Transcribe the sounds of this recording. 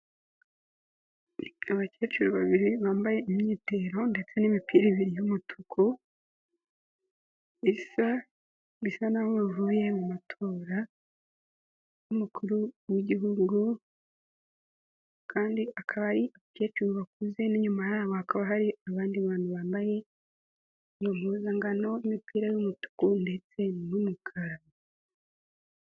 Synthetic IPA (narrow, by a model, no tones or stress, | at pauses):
aβace̞ːt͡ʃuɾuβaβiɾiβaːmbaje̞imɲiːte̞ɾo̞nde̞t͡se̞nimipiːɾiβiɾijumutʰukʰu | isa | βisanaβoβivuːje̞mumatʰo̞ːɾa | βumukʰuɾuwiɟiɦuɡu | kʰaːndiʔakʰaβaɾiʔake̞t͡ʃuuβak̚uze̞niɲumajaːβo̞hakaβaɦaɾiaβaːndiβaːnhuβaːmbaje̞ | ijo̞m̥huːzaŋɡano̞imipʰiːɾajumutu̥kunde̞t͡se̞numukʰaɾaβa